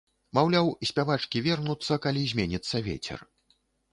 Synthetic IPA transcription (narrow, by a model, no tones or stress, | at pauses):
mawlʲawisʲpʲavat͡ʂkʲivʲɛrnut̪sːɐkalʲizʲmʲenʲit̪sːɐvʲḛt͡sʲɛ̰r